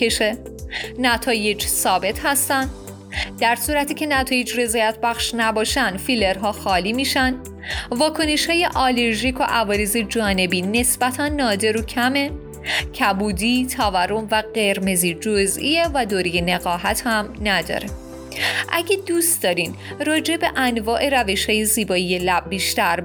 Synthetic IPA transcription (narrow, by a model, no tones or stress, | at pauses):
eʃe | næt̪ʰɒːje̞d͡ʒsɒːbe̞t̪ʰhæst̪ænd̪ | d̪̥æɾsuːɾæt̪ʰiːcʰe̞næt̪ʰɒːje̞d͡ʒre̞zɒːjæt̪ʰbæxʃnæbɒːʃænd̪fileɾɦɒːxɒːliːmiːʃæn | vɒːkʰo̞ne̞ʃhɒːje̞ʔɒːle̞ɾʒikʰo̞ʔævɒːɾeze̞d͡ʒɒːne̞biːne̞sb̥æt̪ʰænːɒːd̪e̞ɾocʰæme̞ | cʰæbuːd̪iːt̪ʰɒːvæɾo̞mvæɢe̞ɾme̞ziːd͡ʒozʔievæd̪oːɾijeneɣɒːɦæt̪ʰhæmnæd̪ɒ̰ɾe | ʔæɟed̪uːst̪d̪ɒːɾin | ɾɒːd͡ʒe̞be̞ʔænvɒːʔe̞ɾæve̞ʃhɒːje̞ziːbɒːije̞læb̚ːiːʃt̪æɾ